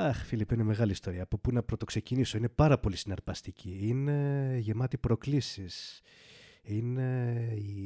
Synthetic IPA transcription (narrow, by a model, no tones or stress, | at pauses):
ɐxfilipineme̞ɣɐlist̪o̞ɾiɐːpopunɐpɾo̞t̪o̞kseciniso̞ine̞pɐɾɐpo̞lisinɐɾpɐst̪icʰiine̞ʝe̞mɐt̪ipɾo̞klisis | inei